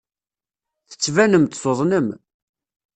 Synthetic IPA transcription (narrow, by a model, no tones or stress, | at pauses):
θə̥t͡sːvænəmt̪sˤoðˤnəm